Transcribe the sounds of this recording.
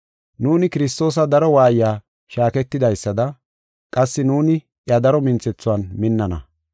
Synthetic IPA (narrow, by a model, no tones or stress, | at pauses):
nuːnɪkɪɾɪs̬t̪o̞ːs̬ɐd̪ɐɾɔwaːjjaː | ʃaːkɛt̪ːɪd̪ɐjsːɐd̪ɐ | kʼɐsːɪnuːnɪ | ʔjɐd̪ɐɾɔmɪnt͡sɛt͡sːʊwɐnmɪnːɐnɐ̰